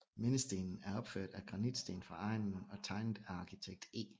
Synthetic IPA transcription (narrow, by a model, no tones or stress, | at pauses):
menəsd̥e̝̰ːnn̩æɐɒ̽b̥føɐ̰d̥æɡ̥ʁɑ̈nid̥sd̥e̝ːnfʁɑ̈ɑ̈ɪ̰nn̩ɒ̽t͡sʰɑ̈ɪndæɑ̈kʰit͡sʰeɡ̥̚d̥e̝̰ː